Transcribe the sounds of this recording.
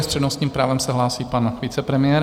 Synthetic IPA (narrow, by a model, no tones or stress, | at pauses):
st̪r̥ɛdnost̪ɲiːmpɾaːvɛmsɛɦlaːsiːpanviːt͡sɛpɾɛmɪjɛːɾ